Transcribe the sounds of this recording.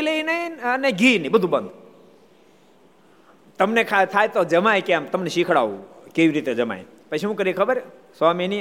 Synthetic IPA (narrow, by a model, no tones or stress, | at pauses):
ləinəiəneɡʱiːnəĩbəd̪ʱubənd̪ | t̪əmnekʰat̪ʰaːjt̪od͡ʒəmajkãmt̪əmneʃikʰɽa̰ːukeʋiɾit̪ed͡ʒəma̰j | pət͡ʃʰeũkəɾiekʰəbəɾ | samini